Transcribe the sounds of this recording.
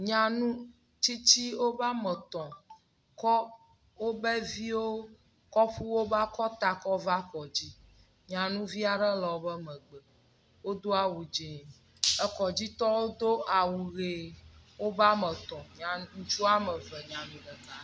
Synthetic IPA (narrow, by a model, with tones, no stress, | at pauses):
ɲã˨nũ˦ | t͡ɕi˦t͡ɕi˦wo˦ba˦mɛ˨t̪ɔ̃˨ | kɔ˦ | wo˦bɛ˦vi˦wo˦ | kɔ˦ɸu˦wo˦ba˦kɔ˦t̪a˨kɔ˦va˦kɔ˨d͡ʑi˦ | ɲã˨nũ˦vi˦a˨ɖɛ˦lɔ˨wo˦bɛ˦mɛ̃˨ɡ͡bɛ˨ | wo˦d̪o˦a˨wu˨d͡ʒi˨ | ɛ˨kɔ˨d͡ʑi˦t̪ɔ˦wo˦d̪o˦a˨wu˨ɣe˨wo˦ba˦mɛ̃˨t̪ɔ̃˨ɲã˨˦ŋũ˦t͡ʃu˦a˦mɛ˨vɛ˨ɲã˨nũ˦ɖɛ˨ka˨